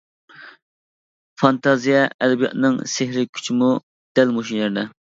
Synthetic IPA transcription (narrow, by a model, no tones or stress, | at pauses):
fɑnt̪ʰɑzijɛʔɛd̪ɛbijɑ̰t̪nɨŋsehɾɪkʲʰy̥t͡ʃʰimu | d̪̥ɛlmoʃineɾd̪ɛ